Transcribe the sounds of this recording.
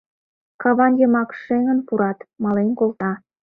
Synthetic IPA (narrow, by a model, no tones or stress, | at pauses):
kɑβɑnjəmɑkʃeŋənpuɾɑt̪mɑlenkolt̪ɑ